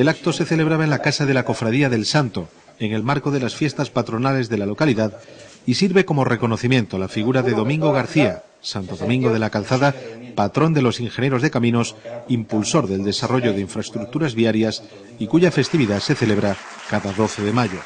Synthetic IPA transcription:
e̞lak̚t̪o̞se̞θe̞leβ̞ɾaβaenlakasaðe̞lako̞fɾaðiaðe̞lsant̪o̞ | eŋe̞lmaɾko̞ðe̞lasfje̞st̪aspat̪ɾo̞nale̞zðe̞lalo̞kaliðað | isiɾβe̞ko̞mo̞re̞ko̞no̞θimje̞nt̪olafiɣuɾaðe̞ðo̞mĩŋɡo̞ɣ̞aɾθia | sant̪oðo̞mĩŋɡo̞ð̞e̞lakalθaðapat̪ɾo̞nd̪e̞lo̞siŋxe̞nje̞ɾo̞zðe̞kamĩno̞simpulso̞ɾðe̞ld̪e̞saro̞ʝo̞ðe̞iɱfɾaest̪ɾuk̚t̪uɾazβiaɾjas | ikuʝafe̞st̪iβiðase̞θe̞le̞βɾa | kaðaðo̞θe̞ðe̞maʝo̞

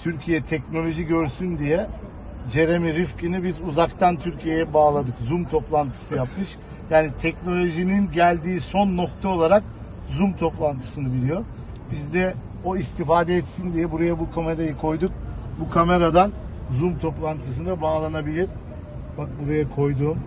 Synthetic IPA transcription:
t̪ʰyɾcʰijɛt̪ʰɛcno̞lʲo̞ʒiɟø̞ɾsynd̪ijɛ | d͡ʒe̞ɾemiɾifcinibizuzakt̪ʰant̪ʰyɾcʰije̞jɛbaːlˠad̪ɯkzumt̪ʰo̞plˠant̪ʰɯ̥sɯjapmɯʃ | jaːnit̪ʰɛcno̞lʲo̞ʒininɟælʲd̪iːso̞nːo̞kt̪ʰao̞lˠaɾak | zumt̪ʰo̞plˠant̪ʰɯ̥sɯnɯbilʲijo̞ | bizd̪ɛ | o̞ist̪ʰifaːd̪ɛɛt̪sind̪ijɛbuɾajabukʰame̞ɾajɯkʰo̞jd̪uk̚bukʰame̞ɾad̪anzumt̪ʰo̞plˠant̪ʰɯs̬ɯnd̪abaːlˠanabilʲiɾ̥ | bak̚buɾajakʰo̞jd̪uːm

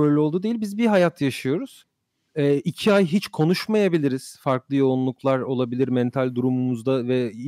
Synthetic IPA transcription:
øjlʲɛo̞lˠd̪ud̪eilʲbizbiɦajat̪ʰjaʃɯjo̞ɾuz̥ | ɛːicʰiajɦit͡ʃkʰo̞nuʃmajabilʲiɾiz̥faɾklˠɯjo̞unlˠuklˠaɾo̞lˠabilʲiɾmɛnt̪ʰalʲd̪uɾumumuzd̪avɛ

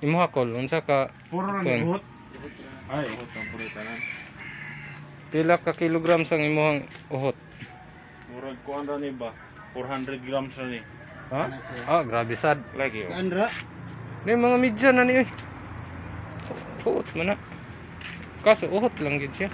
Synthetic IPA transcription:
imoɦakolnsaka | poɾanɦɔt̪̚ | aoɦɔt̪aŋpuɾit̪anan | pilakːakiloɡɾamsaŋimoɦaŋ | oɦɔt̪̚ | puɾaɡ̚koanɾaniba | pɔrɦandɾɛd̪̚ɡɾamsani | aaɡɾabisad̚laɡḭanɾaʔnimaŋamid͡ʒananioj | hoʔt̪̚manaʔ | kasoʔoɦɔt̪laŋɡid̪sia

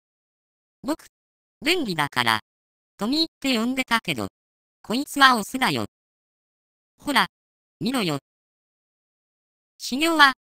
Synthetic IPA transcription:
bo̞kɯ̥ | bẽŋɾʲid̪aka̰ɾa̰ | t̪o̞mʲiːt̪ːe̞jõ̞nd̪e̞t̪ake̞d̪o̰ | kʰo̞it͡sɨβaosɨd̪ajo̰ | ho̞ɾa | mʲiɾojo | ɕiɡʲo̞ːβa

